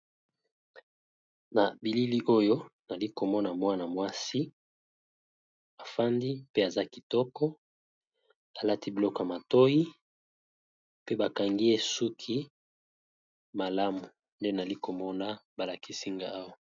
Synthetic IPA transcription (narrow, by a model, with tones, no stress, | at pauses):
na˨bi˨li˦li˦ʔo˦jo˦na˨li˦ko˨mɔ˦na˨mwa˦na˨mwa˦si˦ | a˨fa˦ndi˦pe˦a˨za˦ki˨tɔ˦kɔ˦ | a˨la˦ti˦bi˨lɔ˦ka˨ma˨to˦ji˦ | pe˦ba˨ka˨ŋɡi˦e˦su˦kʰi˦ | ma˨la˦mu˨ | nde˦na˨li˦ko˨mɔ˦na˦ba˨la˨kʰi˦si˦ŋɡa˦a˦wa˦˨